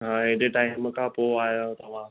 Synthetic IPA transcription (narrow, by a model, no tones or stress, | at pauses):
ɦãːɦɪɦɗeʈaːɪmkʰãpoaːɦjot̪ɐʋ̤ã